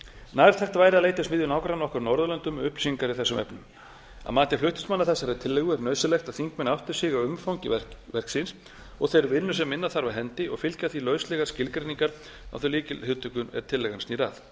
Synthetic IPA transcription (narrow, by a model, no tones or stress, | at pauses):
naːɾ̥t̪ʰɛht̪vaːjɾalejt̪ɪ̥smiːðjʏnawkɾanːɔhkʏɾnɔɾðʏlœnt̪ʏmʏhpsiŋkaɾɪθɛsʏmɛ̰pnʏm | a̰maːt̪ɪ̥flʏht̪ʏ̥nsmanaɾθɛsːaɾɛt̪ʰɪlːɛɣʏɛɾnœɥsʏlɛxt̪aðθiŋkmɛnawht̪ɪɾ̥sɪɣaʏmfawɲcɪɛvɛr̥ksɪns | ɔɣθejɾvɪnːʏsɛmːɪnːaθaɾvaðɦɛnt̪ɪɔɣfɪlcaθilœːɥslɛɣaɾ̥scɪlkɾeniŋkaɾ | a̰wθœliːcɪhɪwt̪ʰʏkʏnɛ̰ɾt̪ʰɪlːɛɣansniɾaθ